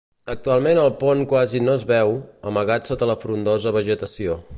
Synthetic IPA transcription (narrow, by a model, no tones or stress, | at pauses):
ək̚t̪ualˠmenəlˠpoŋkwazinoəzβɛwəməɣat̪sot̪ələfɾund̪ozəβəʒət̪əsio